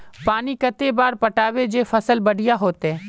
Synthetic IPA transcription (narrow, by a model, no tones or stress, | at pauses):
paːnikɐt̪ebaːɾpɐʈaːʋed͡ʒeːfɐsəlbɐɽ̤ʱijaɦoːt̪ɦɛː